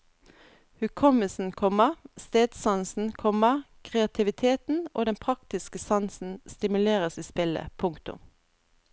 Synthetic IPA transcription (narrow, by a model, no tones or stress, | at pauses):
hʉːkʰɔməsn̩kʰɔməʁst̪eːd̪sɑnsn̩kʰɔməʁ | kʰʁɛɑt̪ʰɪʋɪt̪ʰeːt̪n̩o̰ːd̪ɛnpʰʁɑkt̪ɪskəsɑnsn̩st̪ɪmʉleːʁəsiːspɪlə̰pʰʊŋkt̪ʊ̰m